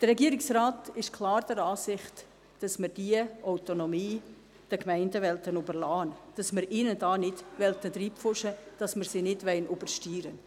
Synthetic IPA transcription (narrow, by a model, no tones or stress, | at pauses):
d̥ərːɛɡiəɾɪksraːtɪʃkʰlˠɑːɾd̥̪ɛɾɑːsɪχt | d̥ɑsmɪɾd̥iəʔawtonɔmiː | d̥əkmɛɪndəʋɛltənubəlɑːnd̥ɑsmɪɾʔiːnədɑːnɪdʋɛltət̪ɾiːpfʊʃəd̥ɑsməɾsinɪdʋɛɪnʔub̥əɾʃtiːɾə